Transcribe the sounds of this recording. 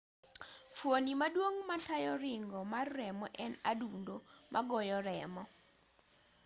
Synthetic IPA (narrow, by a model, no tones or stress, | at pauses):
fwonimadwoŋmatajɔɾɪŋɡɔmarːɛmɔʔɛnadundomʔaɡɔjɔɾɛmɔ